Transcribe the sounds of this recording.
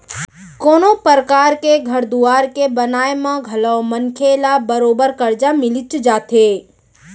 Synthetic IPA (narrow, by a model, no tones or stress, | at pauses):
koːnopəɾkaːɾkeɡʱɐɾd̪uaːɾkebɐnaːemãɡʱɐlaomɐŋkʰeːlabəɾoːbəɾkɐɾd͡ʒamɪlɪt͡ʃd͡ʒaːt̪eː